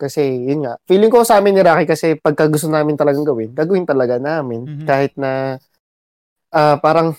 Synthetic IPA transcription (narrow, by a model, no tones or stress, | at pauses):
kɐsɛjʊnŋaʔfiːlɪŋkosɐʔaːmɪnːɪɾaːkɪkɐsɛpɐɡ̚kɐɡʊst̪onaːmɪnt̪ɐlɐɡaŋɡɐwɪnɡaːɡɐwɪnt̪ɐlɐɡanaːmɪnkaːhɪt̪̚nɐ | ʔaːpaːɾɐŋ